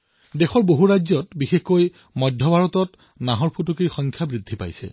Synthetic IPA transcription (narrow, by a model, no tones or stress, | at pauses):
dexɔɹboɦuɹajzɔtbixexkoj | mɔjdʱːɔbʱaɹɔtɔt | naɦɔɹpʰutukiɹxɔŋkʰjabɹidʱːipa̰jsɛ̰